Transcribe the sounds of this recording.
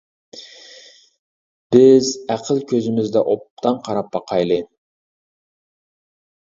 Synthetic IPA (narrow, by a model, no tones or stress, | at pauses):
b̥ɪzæqʰəlˠkʲʰɵzɪmɪzd̪ɛʔop̚t̪ɑnqʰɑɾɑp̚ːɑqʰɑjlˠɨjn